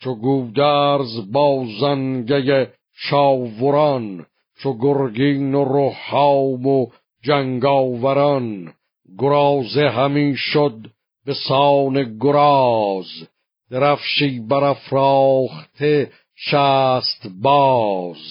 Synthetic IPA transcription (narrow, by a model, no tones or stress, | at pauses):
t͡ʃʰoɡuːd̪æɾzbɑːzænɡeje | ʃɑːvoɾɑn | t͡ʃʰoɡoɾɡiːnoɾohːɑːmo | d͡ʒæŋɡɑːvæɾɑn | ɡoɾɑːzeɦæmiːʃod̪̚ | besɑːneɡoɾɑz | d̪̥eɾæfʃiːbæɾæfɾɑːχt̪ʰe | ʃæːst̪bɑːz